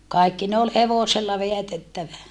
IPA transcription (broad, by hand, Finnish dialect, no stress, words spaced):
kɑˑi̯kːi ne ol heʋoselːɑ ʋeætetːæʋæ